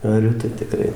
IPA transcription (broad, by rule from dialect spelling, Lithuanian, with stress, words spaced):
ɐˈrʲʊ tɐɪ tʲɪˈkrɐɪ